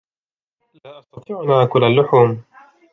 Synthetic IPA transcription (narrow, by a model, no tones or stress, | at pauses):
laːjʔɑst̪ɑt̪ˤɪʕʊnaːkʊlalːʊħuːm